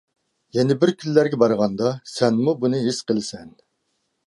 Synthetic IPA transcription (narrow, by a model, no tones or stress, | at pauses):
jɛnɪbɪɾkʲʰynːæɾɡʲɛbɑɾʁɑnd̪ɑsɛnmubunɨɦisqəlˠsɛn